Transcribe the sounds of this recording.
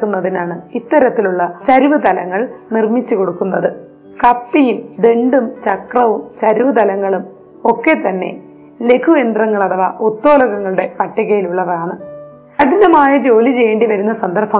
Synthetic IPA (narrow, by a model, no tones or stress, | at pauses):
kːunːɐðinaːɳɨit̪ːɐɾɐt̪ːiluɭːɐt͡ɕɐɾuʋɨt̪ɐlɐŋːɐɭnirmit͡ɕːuko̞ɽukːunːɐðɨ | kɐpːijumd̪e̞ɳɖumt͡ɕɐkrɐʋumt͡ɕɐɾuʋɨt̪ɐlɐŋːɐɭum | o̞kːe̞t̪ːɐnːe̞̰ | le̞kʰue̞nd̪rɐŋːɐɭɐðɐʋɐʔot̪ːo̞ːlɐɣɐŋːɐɭuɽe̞pɐʈːɐɣɐjiluɭːɐʋɐɾaːɳɨ | ɐɽinːɐmaːjɐd͡ʑo̞ːlit͡ɕe̞jːeːɳɖiʋɐɾunːɐsɐnd̪ɐrpɐ